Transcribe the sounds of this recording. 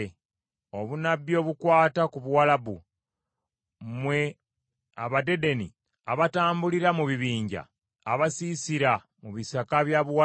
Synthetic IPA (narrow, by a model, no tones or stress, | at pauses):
o̞βunabːjo̞ːβukwaːtakuβuwalaβu | mwe | aβade̞de̞nḭ | aβataːmbuliɾamuβiβiːɲɟa̰ː | βasiːsiɾa | muβisakaβjaβuwa